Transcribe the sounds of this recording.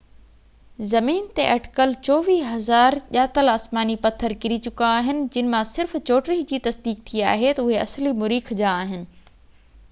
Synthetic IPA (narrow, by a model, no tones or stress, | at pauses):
zɐmiːnt̪eʔɐʈɪ̥kəlt͡ɕɔːʋiːɦɐzaːɾʄaːt̪əlaːsmaːnipɐt̪ʰːəɾkɪɾit͡ɕʊkaːɦɪnɪ̆d͡ʑɪnɪ̆mãsɪɾft͡ɕoːʈɾiɦd͡ʑiːt̪ɐsd̪iːk̚t̪ʰia̰ːɦet̪ɐʊɦeɐ̰slimʊɾiːkʰd͡ʑaːɦɪnɪ̆